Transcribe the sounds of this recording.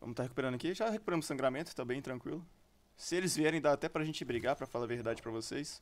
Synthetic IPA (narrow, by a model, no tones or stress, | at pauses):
vɐ̰̃mʊst̪aɦeku̥peɾɐ̃d̪ɐkiʒaɦekupeɾɐ̃mʊsːɐ̃ŋɡɾamẽt̪ʊ̥t̪abẽj̃t̪ɾɐ̃kwilʊ | sɪelɪzviɛɾẽj̃d̪aɾat̪ɛpɾɐaʒẽnt͡ʃɪbɾiɡaɾpɾɐfalavehd̪ad͡ʒɪpɾɐvosejs